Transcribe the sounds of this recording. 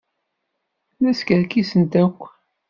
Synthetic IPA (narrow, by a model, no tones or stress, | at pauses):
læskəɾkisənt̪ækʷː